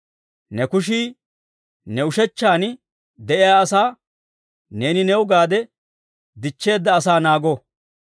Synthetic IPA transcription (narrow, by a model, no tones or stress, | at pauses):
nɛkʊʃ̬iː | nɛʊʃɛt͡ʃːaːn | d̪ɛʔɪjaːsaː | ne̞ːnɪnɛwʊɡaːd̪ɛ | d̪ɪt͡ʃːe̞ːd̪ːɐːsaːnaːɡɔ